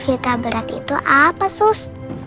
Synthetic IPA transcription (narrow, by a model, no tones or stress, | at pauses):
fit̪abəɾat̪ḭt̪uʔapasʊs